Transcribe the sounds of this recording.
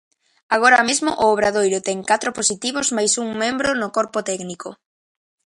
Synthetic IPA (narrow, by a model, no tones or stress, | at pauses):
aɣ̞oɾamezmʊʔʊːβ̞ɾaðojɾʊt̪ɛŋkat̪ɾoposit̪iβʊzmajsuŋmẽmbɾonʊkɔɾpʊt̪ɛɡniko